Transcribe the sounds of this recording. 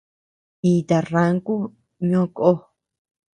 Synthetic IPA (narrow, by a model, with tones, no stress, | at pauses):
i˧t̪a˨ra˦ŋku˦ | ɲõ˦ko˦